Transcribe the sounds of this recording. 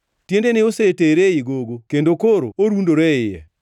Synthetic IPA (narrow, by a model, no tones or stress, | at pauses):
tjendenɪoseteɾeiɡoɡokendokoɾo̰oɾundoɾɛɪjɛ̰